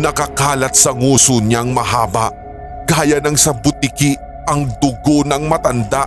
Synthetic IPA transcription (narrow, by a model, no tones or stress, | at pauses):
nɐkɐkaːlɐt̪̚sɐŋuːsoɲaŋmɐɦaːbɐʔ | ɡ̥aːjɐnɐŋsɐbʊt̪ɪki | ʔɐŋd̪ʊɡonɐŋmɐt̪ɐnd̪aʔ